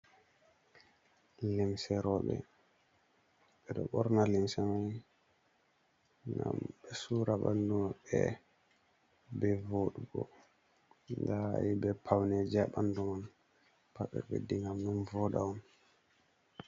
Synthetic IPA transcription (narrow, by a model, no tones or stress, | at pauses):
limsɛɾɔɓɛ̰ | ɓɛɗɔɓɔɾnalimsɛmaj | ŋɡa̰mɓɛsuɾaɓandumaɓɛ | bɛvoɗuɡɔ̰ | nda̰jibɛpʰawnɛd͡ʒaɓanduman | paɓɛ̰ɓɛ̰diŋɡamnunvɔɗa̰ɔn